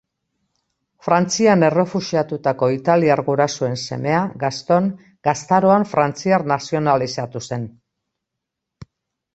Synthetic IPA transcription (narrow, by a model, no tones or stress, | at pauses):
fɾant͡siane̞re̞fuʃiat̪ut̪ako̞it̪aliaɾɣuɾasue̞nse̞̰me̞aɡast̪o̞ŋ | ɡast̪aɾo̞aɱfɾant͡siaɾnasio̞nalisat̪use̞n